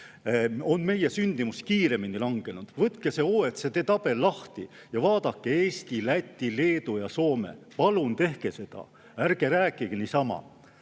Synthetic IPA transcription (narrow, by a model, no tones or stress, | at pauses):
o̞nme̞jesynʲd̪imuskiːɾe̞minilɑŋɡe̞nud̪̥vɤt̪kese̞oːet̪set̪e̞t̪ɑb̥e̞lːɑht̪i | jɑvɑːd̪̥ɑkːeeːst̪ilæt̪ʲːile̞ːd̪ujɑso̞ːme̞̰pɑlunt̪e̞hke̞se̞d̪̥ɑ̰ | æɾɡ̥eɾæːkːˑiɡ̥enisɑmɑ̰